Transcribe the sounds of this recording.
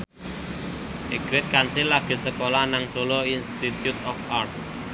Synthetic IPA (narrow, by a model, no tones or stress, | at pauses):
ʔeɡ̥ɾɪt̪̚kansɪlːaɡ̥e̤səkolanaŋsoloinst̪it̪jut̪ɔfart̪̚